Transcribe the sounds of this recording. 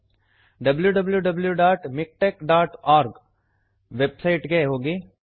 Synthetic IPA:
ɖɐbljuɖɐbljuɖɐbljuɖaːʈmɪk̚ʈeːkɖaːʈʰaːɾɡ | ʋeːbsaɪʈɡɐeɦoːɡiː

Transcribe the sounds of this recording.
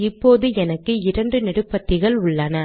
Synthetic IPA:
ɪpːoːðɯɛnɐkːɯɪɾɐɳɖɯnɪɽɯpːɐt̪ːɪɣɐɭʊɭːɐnɐ

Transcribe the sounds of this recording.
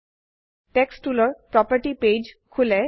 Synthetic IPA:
ʈeksʈuloɾpɾɔpəɾʈiped͡ʑkʰule

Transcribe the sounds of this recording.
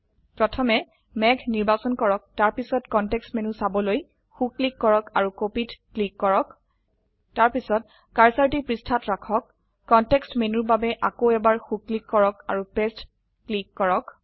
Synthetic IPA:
pɹɔtʰɔmɛ | mɛɡʰʱniɹbasɔnkɔɹɔk̚taɹpisɔtkɔntɛkstmenusabɔloj | xukːlikːɔɹɔkaɹukopitklikːɔɹɔk | taɹpisɔt̚ | kaɹsaɹtipɹistʰatɹakʰɔkː | ɔntɛkstmenuɹbabɛʔakoɛbaɹxukːlikːɔɹɔka̰ɹupest | klikːɔɹɔk

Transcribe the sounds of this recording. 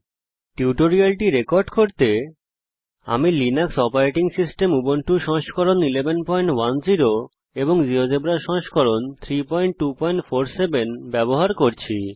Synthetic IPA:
ʈiuʈoɾialʈiɾekɔɾɖkoɾt̪e | a̰milinaksɔpaɾeʈiŋsisʈemubonʈuʃɔ̃ŋʃkɔɾonilebenpɔjɳʈwand͡ʑiɾo | eboŋd͡ʑiɾod͡ʑebɾaʃɔ̃ŋʃkɔɾont̪ʰɾipɔjɳʈ̚ʈupɔjɳʈfʰoɾsebenbɛboɦaɾkoɾt͡ɕʰi

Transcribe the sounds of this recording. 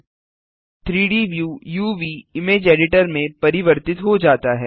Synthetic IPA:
t̪ʰɾiːɖiːʋjuːjuːʋiːɪmeːd͡ʒeːɖɪʈəɾmẽpɐɾɪʋəɾt̪ɪt̪ɦod͡ʒaːt̪aɦɛː

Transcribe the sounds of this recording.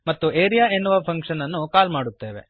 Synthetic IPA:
mɐt̪ːuʔeːɾijaːenːuʋɐpʰɐŋkʂɐnɐnːukaːlmaːɽut̪ːe̞ːʋe̞̰

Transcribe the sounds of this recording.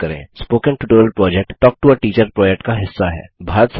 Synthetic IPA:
ɐɾḛ̃ːspoːkə̃nʈuʈoːɾəlpɾɔːd͡ʒɛk̚ʈːɔːk̚ʈuəʈiːt͡ʃəɾpɾɔːd͡ʒɛk̚ʈkaɦɪsːaɦɛ̰ːbʱaːɾət̪s

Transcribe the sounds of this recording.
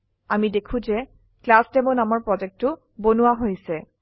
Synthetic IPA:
amidekʰũzɛ | klastɛmʊnamɔɹpɹɔd͡ʒɛk̚tʊ | bonuwaɦojsɛ

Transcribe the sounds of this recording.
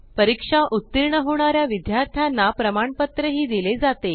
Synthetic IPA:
pəɾikʂaʔut̪ːiɾɳəɦoɳ̃aɾjaʋid̪ʱjaɾt̪ʰjanːapɾəmaɳpət̪ɾəɦiːd̪iled͡zat̪e

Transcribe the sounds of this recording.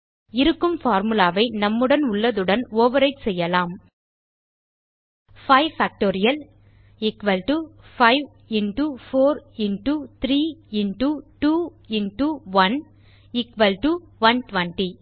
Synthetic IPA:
ɪɾɯkːɯmfaːɾmɯlaːʋɐɪnɐmːɯɽɐnʊɭːɐðɯɽɐnoːʋɐɾɐɪʈsɛjːɐlaːm | fɐɪʋfaːk̚ʈoːɾɪjɐl | ɪkʋɐlʈufɐɪʋ | ɪɳʈufoːɾɪɳʈut̪ɪɾiːɪɳʈuʈuː | ɪɳʈuʋɐn | ɪkʋɐlʈu | ʋɐnʈʋɐɳʈi

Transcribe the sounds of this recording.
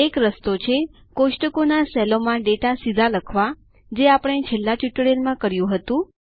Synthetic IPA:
ekɾəst̪ot͡ʃʰe | koʃʈəkonasɛlomãɖeʈasid̪ʱaləkʰʋa | d͡ʒeapəɽ̃et͡ʃʰelːat͡ʃiʈɽelmãkəɾjũɦət̪ũ

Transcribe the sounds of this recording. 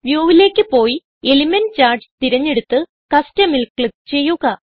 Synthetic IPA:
ʋjoːʋile̞ːkʲːɨpo̞ːji | elimɐnt͡ɕaːrd͡ʑt̪iɾɐɲːe̞ɽut̪ːɨ | kɐstɐmilkɭɨt͡ɕe̞jːuɣɐ

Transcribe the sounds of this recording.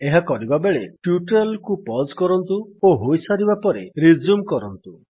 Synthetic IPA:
eɦakɔɾibabeɭeʈjuʈɔlkupɔd͡ʒkɔɾɔnt̪uoɦojsaɾibapɔɾeɾid͡ʒumkɔɾɔnt̪u

